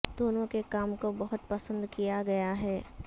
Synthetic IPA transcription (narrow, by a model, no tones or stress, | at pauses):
d̪̥oːnõkekaːmkobɐɦʊt̪̚pɐsə̃nd̪kijaɡɐjaɦɛː